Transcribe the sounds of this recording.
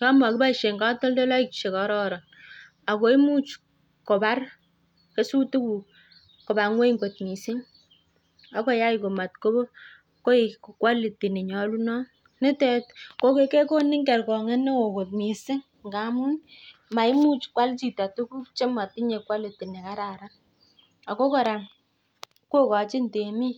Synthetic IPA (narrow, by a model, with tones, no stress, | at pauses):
ka˦m˦a˨ki˦ba˦ʃe˨ŋɡa˦tɔ˦lde˦la˦i˦kʃe˨kɔ˨˦ɾɔ˦ɾɔ˨n | a˨ko˨˦i˦mu˦t͡ʃ | ko˨ba˦r | ke˦su˦tu˦ku˨ | ko˨ba˨ŋwe˦ŋɡo˨t̚mi˨si˦ | a˦kɔ˦ja˦iko˨ma˨tko˦bo˦ | ko˦i˨ko˨kwa˦le˨ti˨ne˨ɲɔ˨˦lu˦nɔ˦ | nɪ˦tɛ˦tko˦ke˦ke˦ko˦nɪ˦ŋkɛ˨lkɔ˨ŋɛ˦ne˦wo˨ko˨t̚mi˨sɪ˦ | ŋɡa˦mu˦n | ma˨i˦mu˦t͡ʃkwa˦lt͡ʃi˨ta˨tu˦ku˦t͡ʃe˦ma˨tɪ˦ɲe˨kwa˦le˨ti˨ne˨ka˦ɾa˨ɾa˦ | a˨ko˦kɔ˨ɾa˨ŋ | ko˦kɔ˨t͡ʃɪ˦nte˨mi˦